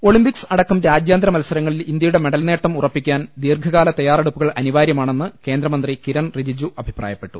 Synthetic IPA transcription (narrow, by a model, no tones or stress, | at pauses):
o̞ɭimpiksɐɽɐkːɐmɾaːd͡ʑjaːnd̪ɾɐmɐlsɐɾɐŋːɐɭilind̪jɐjuɽe̞meɽɐlne̞ːʈːɐmurɐpːikʲːaːnd̪iːrɡʱɐɣaːlɐt̪ɐjaːreɽupːuɣɐɭʔɐniʋaːɾjɐmaːɳe̞nːɨke̞ːnd̪ɾɐmɐnd̪rikiɾɐɳrid͡ʑid͡ʑuʔɐbʱi̥pra̰ːjɐpːe̞ʈːu